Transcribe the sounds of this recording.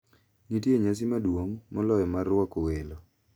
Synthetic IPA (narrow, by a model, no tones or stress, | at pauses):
nitjeɲas̬imadwoŋmɔlɔjɔmarːwɔkowelo